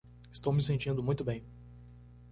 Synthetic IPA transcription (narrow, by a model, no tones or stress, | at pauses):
ɪ̥st̪owmisẽnt͡ʃĩnd̪ʊmũj̃t̪ʊbẽj̃